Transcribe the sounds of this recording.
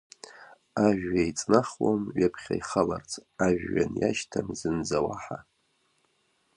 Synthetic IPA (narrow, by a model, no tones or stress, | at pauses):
aʒᶣːajt͡sʼnaχwamɥapʰχʲa̰jχalart͡sʰaʒᶣːanjaʃtʰamzɨnd͡zawaħa